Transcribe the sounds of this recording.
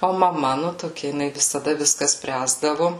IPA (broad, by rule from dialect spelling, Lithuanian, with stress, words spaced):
oː mɐˈmɐ nʊ toːˈkʲɛ jɪˈnɐɪ ʋʲɪsɐˈdɐ ʋʲɪsˈkɐ ˈsʲpʲrʲæːzdɐʋʊ